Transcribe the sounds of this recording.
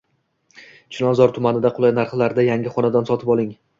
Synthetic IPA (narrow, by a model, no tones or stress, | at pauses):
t͡ʃʰɪlɒzɒɾt̪ʰʊmanɪd̪aqʰʊlˠajnaɾχlaɾd̪ajaŋʲɪχɒnad̪ansɒt̪ʰɪpɒlˠɪŋ